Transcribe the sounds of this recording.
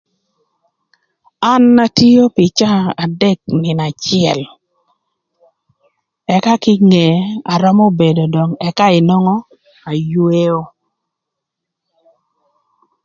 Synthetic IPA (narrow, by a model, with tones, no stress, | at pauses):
a˦nːa˦ti˦o˦pɪ˨t͡ʃa˦a˨dɛ˦k̚nɪ˨na˨t͡ʃɪɛ˨l | ɛ˦ka˦kɪ˦ŋe˨a˨ɾɔ˦mo˦be˨do˨dɔ˨ŋɛ˦ka˦ɪ˨nɔ˦ŋɔ˦ | a˨jwe˦o˦